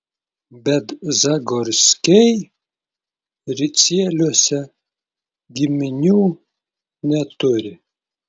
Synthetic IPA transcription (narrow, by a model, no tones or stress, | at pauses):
bʲɛt̪zɐɡɔɾʲsʲkʲɛj | ɾʲɪsʲiɛlʲuɔsʲɛ | ɡʲɪmʲɪnʲuː | nʲɛt̪ʊɾʲɪ